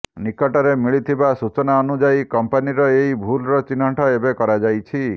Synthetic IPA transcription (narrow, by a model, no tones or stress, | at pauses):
nikɔʈaɾemiɭit̪ʰibasut͡ʃɔnaɔnud͡ʒajkɔmpaniɾɔeɦibʱulɾɔt͡ʃinɔʈʰɔebekɔɾad͡ʒajt͡ʃʰi